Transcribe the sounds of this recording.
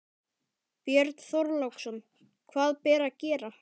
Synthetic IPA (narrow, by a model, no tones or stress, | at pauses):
pjɛɾt̪θɔɾlawksɔn | kʰvaːðpɛːɾacɛːɾa